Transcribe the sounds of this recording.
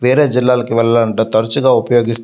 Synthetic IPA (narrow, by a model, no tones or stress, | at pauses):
ʋɛːɾeːd͡ʒilːaːlɐkiʋɛlːɐlɐɳʈot̪ɐɾɐt͡ʃuɡaːupɐjoːɡist̪